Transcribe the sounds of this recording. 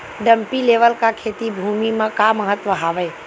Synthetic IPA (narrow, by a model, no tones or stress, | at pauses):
ɖə̃mpileːʋəlkakʰeːt̪ibʱuːmimẽkaməɦət̪ʋəɦaːʋəe